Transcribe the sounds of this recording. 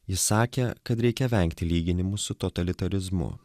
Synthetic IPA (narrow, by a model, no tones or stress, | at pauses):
jɪsɑːkʲekɐt̪ɾʲɛɪkʲɛʋʲɛŋʲkt̪ʲɪlʲiːɡʲɪnʲɪmʊsʊt̪ɔt̪ɐlʲɪt̪ɐlʲɪzmʊ̰